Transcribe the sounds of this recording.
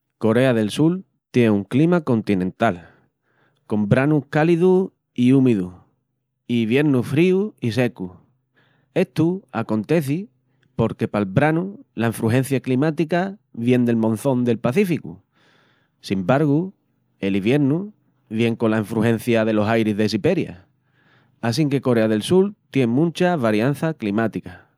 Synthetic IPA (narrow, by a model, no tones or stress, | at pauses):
ko̞ɾe̞aðe̞lsul | t̪je̞nuŋklimakõ̞nt̪inẽ̞nt̪al | ko̞mbɾanuhkaliðu | iumiðu | iβje̞ɾnufɾiuis̬e̞ku | e̞t̪uako̞nt̪e̞θi | po̞ɾke̞palβɾanulaĩɱfɾuɦe̞n̟θjaklimat̪ikaβje̞nd̪e̞lmõ̞nθõ̞nd̪e̞lpaθifikṵ | simbaɾɣu | e̞liβje̞ɾnu | βje̞ŋkolaĩɱfɾuhẽ̞n̟θjað̞e̞lo̞sajɾizðe̞s̬ipe̞ɾja̰ | as̬iŋke̞ko̞ɾe̞aðe̞lsult̪je̞ŋmũnt͡ʃaβaɾjan̟θaklimat̪ika